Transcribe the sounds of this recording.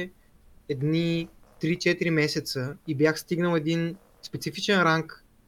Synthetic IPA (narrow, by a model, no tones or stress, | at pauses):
ɛd̪nit̪ɾit͡ʃɛt̪iɾimɛsɛt̪səibjaxst̪iɡnəlˠɛd̪in | spɛt̪sifit͡ʃɛnɾaŋk